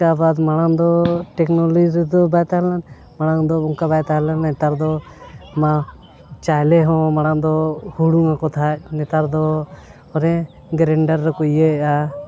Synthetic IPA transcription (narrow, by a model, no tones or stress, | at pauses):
abad̪maɽ̃aŋd̪ɔʈɛknɔlɔd͡ʒiɾd̪ɔbajt̪aɦlan | maɽ̃aŋd̪ɔuŋkabajt̪aɦlanɛt̪aɾd̪ɔ | ma | t͡ʃajlɛɦɔ̃maɽ̃and̪ɔhuɽuŋakɔt̪ʰac̚nɛt̪aɾd̪ɔ | ɔɾɛ̃ | ɡɾɛɳɖaɾːɛkujea